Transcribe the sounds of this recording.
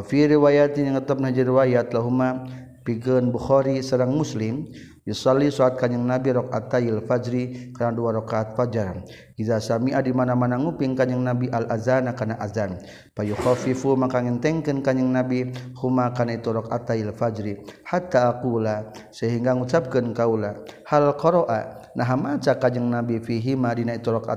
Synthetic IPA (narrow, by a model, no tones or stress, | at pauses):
fiɾiwajat̪iɲəŋət̪ap̚nahd͡ʒiɾiwajat̪laɦuma | piɡənbuxɔɾisaɾaŋmuslɪm | jusalːisɔat̪̚kaɲəŋnabiɾɔk̚a̰t̪ajilfad͡ʒɾikaɾnaduaɾɔkaːt̪̚fad͡ʒar | ʔiðasamiʔadimanamanaŋupiŋkaɲəŋnabiʔalʔazanakanaʔazan | pajuxɔfifumakaŋint̪ɛŋkənkaɲəŋnabihumakanait̪uɾɔkat̪ailfad͡ʒɾihat̪ːaːkulasəɦiŋɡaŋut͡ʃap̚kənkaulahalkɔɾoʔanaɦamat͡ʃakad͡ʒəŋnabifiɦimadinait̪uɾɔka̰